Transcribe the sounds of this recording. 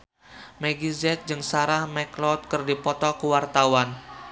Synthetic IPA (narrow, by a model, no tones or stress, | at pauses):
mɛɡizɛt̪̚d͡ʒɨŋsaɾahmɛklɔt̪̚kɨrdipɔt̪ɔkuwart̪awan